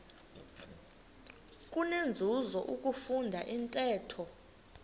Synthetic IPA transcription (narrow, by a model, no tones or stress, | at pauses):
kʼunend͡zʱuzɔʔukʼufundʱaʔintʼɛːtʰɔ